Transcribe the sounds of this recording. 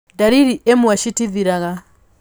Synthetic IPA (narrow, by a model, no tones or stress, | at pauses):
daɾiɾiʔemwaʃitiðiɾaɣa